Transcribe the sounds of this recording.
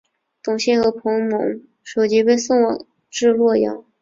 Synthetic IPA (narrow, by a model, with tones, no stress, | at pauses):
t̪ʊ˨˩ŋɕɛ˥˩nxɤ˧˥pʰɤ˧˥ŋmɤ˧˥ŋ | ʂo˨˩ʊt͡ɕi˧˥pe˥˧ɪsʊ˥˧ŋw | ʈ͡ʂɻ̩˥˧lwɔ˥˩jɑ̰˧˥ŋ